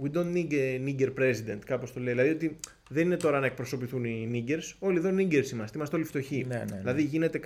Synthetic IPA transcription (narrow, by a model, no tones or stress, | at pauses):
wid̪ond̪niɡniɟeɾpɾe̞sid̪e̞nt̪kɐpo̞st̪o̞le̞iðilɐðio̞t̪i | ðe̞nine̞t̪o̞ɾɐnɐek̚pɾoso̞piθuniniɟe̞ɾso̞lieðo̞niɲɟeɾsimɐst̪imɐst̪eolift̪o̞çiilɐðiʝine̞t̪e̞